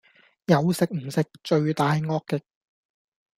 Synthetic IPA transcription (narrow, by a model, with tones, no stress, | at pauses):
jɐ˨˧wsɪ˨k̚m̩˨˩sɪ˨k̚t͡ʃɵ˧ɥt̪aː˨˧jŋɔː˥kkːɪ˨k̚